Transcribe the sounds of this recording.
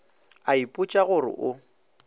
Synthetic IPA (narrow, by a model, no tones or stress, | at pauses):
aipʼʊt͡ʃʼaɣʊrɪ̰ʔʊ